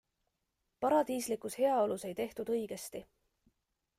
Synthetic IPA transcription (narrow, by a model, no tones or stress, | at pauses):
pɑɾɑd̪̥iːslikˑushe̞ɑo̞luse̞jt̪e̞ht̪ud̪ɤ̞jɡ̥e̞st̪i